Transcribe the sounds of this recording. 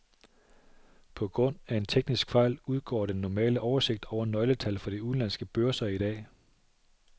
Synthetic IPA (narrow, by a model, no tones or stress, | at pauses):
pʰɒ̽ɡ̥ʁɔ̽n̰æe̝nt͡sʰeɡ̥nisɡ̥fɑ̈ɪ̰luð̞ˠɡ̥ɒ̰ːɾ̥enːɒmɛ̰ːləʔɒʊɐse̝ɡ̥̚d̥ɒʊ̰ɐnɒ̽ɪlət͡sʰælfɒ̽ɾ̥iuð̩ˠlænsɡ̥əb̥øɐsɐiɾ̥ɛ̰ː